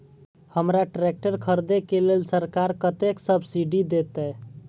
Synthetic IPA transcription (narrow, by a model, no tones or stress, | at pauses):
həmɾaʈɾek̚ʈəɾkʰəɾd̪ekelelsəɾkaɾkət̪eksəbʱsiɖid̪et̪ɛ